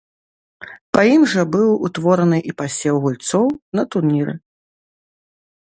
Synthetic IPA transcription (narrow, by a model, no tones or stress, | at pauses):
pɐimʐɐbɨwut̪vɔɾɐnɨʔipasʲɛwɣulʲt̪sɔwnɐt̪urnʲiɾɨ̰